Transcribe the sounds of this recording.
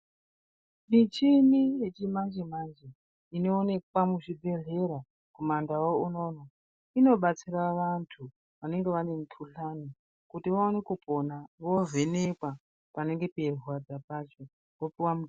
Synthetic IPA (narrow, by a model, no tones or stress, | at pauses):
mit͡ʃinije̞t͡ʃimand͡ʒemand͡ʒe | ino̞ːne̞kwamuʐibʱe̞ɮe̞ɾa | kumandawouno̞ːna | ino̞ɓat͡siraʋantʰu | ʋane̞ŋɡe̞ʋane̞mukʰuɬani | kutiʋaone̞kuponaʋo̞vʱe̞nekwa | pane̞ŋɡe̞perwad͡zapat͡ʃo | ʋopiwamut